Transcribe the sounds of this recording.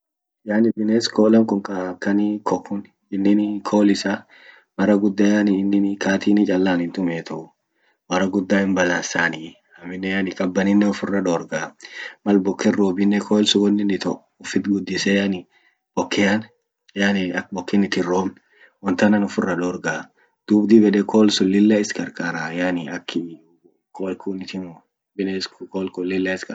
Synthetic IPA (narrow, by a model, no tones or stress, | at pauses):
janɪbɪneskoːlɐŋkʼɔŋkʼɐkːɐnikʰɔkːʊn | ɪnːɪnkʰoːlɪsa | mɐɾɐɡʊd̪ːaːjanɪɪnːɪnkaːt̪iːnɪt͡ʃʼɐlːaːnɪnt̪ʊmeːt̪ʰɐʔʊ | mɐrɐɡʊd̪ːaːhɪmbɐlaːsaːnɪ | hɐmɪnːɛjanɪkʼɐbːɐnɪnːɛɔfʊrːɐᶑ̪oːɾɡaːmɐlbɔkːɛroːbɪnːɛkʰoːɪlsʊɡɔnːɪnɪt̪ɔʔ | ʊfɪt̪ɡʊd̪ːɪsɛjanɪ | b̥ɔkːɛɐn | janɪɐk̚bɔkːɪnɪt̪ɪroːmn | wɔnt̪ɐnɐnʊfʊrːɐᶑoːɾɡaː | d̪̥uːbd̪ibɛᶑɛkʰoːlsʊlːɪlːɐɪskʼɐɾkʼaːɾajanɪɐkːɪ | kʰokʰunɪt̪ɪn | bɪnɛskkoːlkʊlːɪlːɐɪskɐ